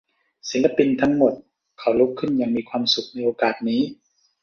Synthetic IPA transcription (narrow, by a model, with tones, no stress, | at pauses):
si˩˦la˧pi˧nt̪ʰa˦˥ŋmo˨˩t̪̚ | kʰa˨˩lo˦˥p̚kʰːɯ˥˩nja˧ŋmiː˧kʰwaː˧msu˨˩k̚na˧jʔoː˧kaː˨˩t̪̚niː˦˥